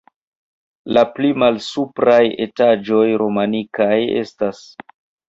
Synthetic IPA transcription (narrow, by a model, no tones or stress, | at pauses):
laplimalsupɾaje̞̰tad͡ʒo̞jɾo̞manikaje̞̰stas